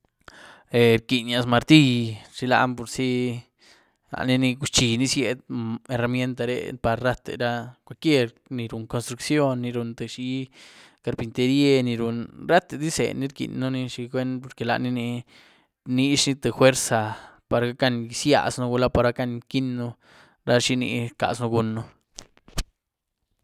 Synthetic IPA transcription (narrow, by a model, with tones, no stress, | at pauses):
e˧ɾki˨nja˧sma˧ɾt̪i˦˧ʂi˧la̰˧mpo˨ɾsi˦ | la̰˨ʔni˧ni˧ɡu˧˦t͡ʃi˨ni˧sje˧d̪̚e˧ɾa˧mje˦nt̪a˧ɾḛ˧˦pa˧ɾɾa˦t̪ḛ˨ɾa˦kʷa˧lkje˦ɾ | ni˧ɾu˨ŋko˧nst̪ɾu˧ksjo˦nːi˧ɾu˧nt̪e˨ʂi˦ | ka˧ɾpi˧nt̪e˧ɾje˦˧ni˧ɾu˨nɾa˦t̪e˨d̪i˦sḛ˨ni˧˦ɾkḭ˨nːu˦ni˧ʃi˧ɡʷe˦npo˧ɾke˨la̰˨ʔni˧ni˧ | ni˦ʂni˦t̪e˨xwe˦ɾsa˨pa˨ɾɡa˦ka˦˧n˧sja̰˧snu˦ɡu˧la˦pa˧ɾa˦ka˧nki˦nːu˧ | ɾa˦ʂi˧nḭ˧ɾka̰˨snu˧ɡu˧nːu˦